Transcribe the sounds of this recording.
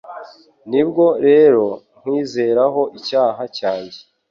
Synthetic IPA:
nibɡo̞ɾe̞ːɾo̞ | ŋ̥wiːze̞ːɾaɦo̞ʔicaːɦacaːɲɟe

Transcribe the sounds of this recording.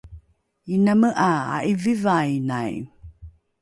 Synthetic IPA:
inaməʔaa̰ʔivivajnaj

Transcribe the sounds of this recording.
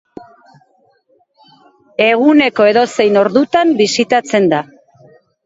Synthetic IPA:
e̞ɣune̞ko̞e̞ðo̞se̞jno̞ɾðut̪ambisit̪at͡se̞nd̪a

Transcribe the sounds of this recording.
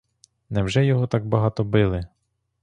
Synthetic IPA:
nɛwʒɛjɔɦɔt̪ɑɡ̚bɐɦɑt̪ɔbɪlˠɪ

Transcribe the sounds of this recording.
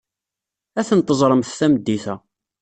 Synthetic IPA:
æθənt̪ˤːəzˤɾˤəmθθæməd̪ːiθæ

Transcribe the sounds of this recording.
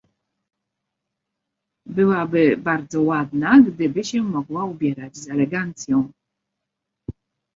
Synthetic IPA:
bɘwabɘbaɾd̪zɔwad̪naɡd̪ɘbɘɕɛmɔɡwaubʲjɛɾad͡ʑzɛlɛɡant̪sʲjɔ̃w̃

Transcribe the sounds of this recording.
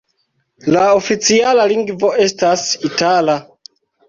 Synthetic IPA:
laofit͡sialaliŋɡvo̞e̞stasitala

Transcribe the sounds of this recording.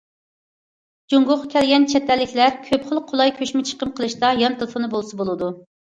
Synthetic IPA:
d͡ʒuŋɡʊχkʲʰɛlɡʲɛnt͡ʃʰɛt̪ːɛlːɪkʲlæɾkʲʰøpχəlˠqʰːolˠɑjkʲʰøʃmɪt͡ʃʰə̥qəmqʰəlˠɨʃt̪ɑjɑnt̪ɨlʁnɨbolˠsɨbolˠɨd̪u

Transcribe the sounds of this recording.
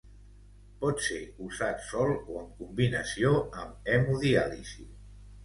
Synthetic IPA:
pɔt̪seuzat̪sɔlˠoəŋkumbinəsioəmɛmuðialḭsi

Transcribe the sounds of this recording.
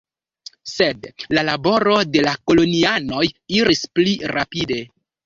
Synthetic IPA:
se̞dlalabo̞ɾo̞de̞lako̞lo̞niano̞jiɾispliɾapide̞

